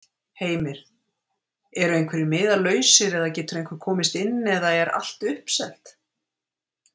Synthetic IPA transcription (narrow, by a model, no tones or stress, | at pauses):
heːjmɪɾ̥ | ɛɾʏejŋkʰvɪɾɪmɪːðalœːɥsɪɾɛðacɛːt̪ʏɾejŋkʰvɪɾ̥kʰɔːmɪst̪ɪnːɛðaɛɾa̰l̥t̪ʏhpsɛl̥t̪